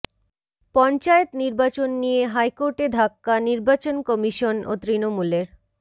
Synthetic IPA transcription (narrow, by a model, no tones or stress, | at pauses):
pɔnt͡ɕaet̪niɾbat͡ɕonːijeɦajkoɾʈed̪ʱakːaniɾbat͡ɕonkɔmiʃono̰t̪ɾinomuleɾ